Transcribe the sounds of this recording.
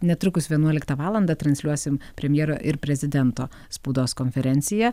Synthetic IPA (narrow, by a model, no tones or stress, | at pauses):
nʲɛt̪ɾʊkʊsʋʲiɛnuɔlʲɪkt̪ɐʋɑːlˠɐnd̪ɐt̪ɾɐnʲslʲuɔsʲɪmpʲɾʲɛmʲjɛːɾoːʔɪɾpʲɾʲɛzʲɪd̪ʲɛnt̪oː | spuːd̪oːskonʲfʲɛɾʲɛnʲt̪sʲɪjɛ